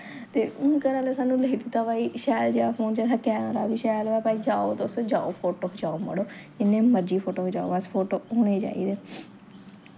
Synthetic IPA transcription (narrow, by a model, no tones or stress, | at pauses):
t̪eːkəɾaːlesaːnũːləkid̪it̪aːpaːiːʃɛːld͡ʒeːɽaːpʰoːnd͡ʒaːsaːkɛːnoːɾaːbiːʃɛːloɛːpaːiːd͡ʒaːoːt̪ːʊsd͡ʒa̰ːo̰ːpʰoːʈoːɦd͡ʒaːoːmə̰ɽoːd͡ʒɪnẽːməɾd͡ʒiːpʰoːʈoːɦod͡ʒa̰ːo̰ːʋaspʰoːʈoːoːɽeːd͡ʒa̰ːḭːd̪eː